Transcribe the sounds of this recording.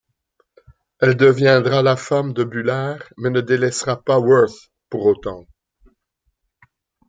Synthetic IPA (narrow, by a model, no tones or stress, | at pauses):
ɛld̪əvjɛ̃d̪ʁalafamd̪əbylaʁmɛnəd̪elɛsʁapawɜθ | puʁot̪ɑ̃